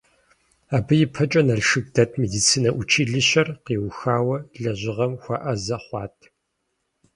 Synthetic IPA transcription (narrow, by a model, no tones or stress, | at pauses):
aːbɨjɪpʰɐt͡ʃʼɐnɐɮʂɨɡ̚dɐtʰmedit͡sʰiːnɐʔʷʊt͡ʃʰiːɮɨɕɐrqiːwxaːwɐɮɐʑɪʁɐmxʷɑ̰ʔɐzɐχʷɑ̰ːtʰ